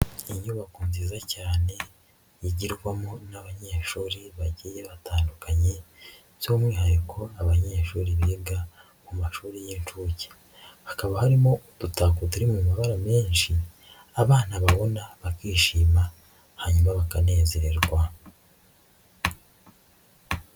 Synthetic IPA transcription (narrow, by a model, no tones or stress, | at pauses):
iɲuβakuːnzizacaːne̞ | jiɟiɾɡwamonaβaɲeʃuːɾeβaɟijeβatʰaːndukaɲe̞ | z̥oːmwiːhajekʰo̞aβaɲeʃuːɾiβiːɡa | mumaʃuːɾijeːnt͡ʃuce̥ | hakaβahaɾimo̞tutaːkutuɾimumaβaɾameːɲʃi | aβaːnaβaβo̞naβakiːʃiːma | haɲumaβakane̞ːze̞ɾeɾɡwa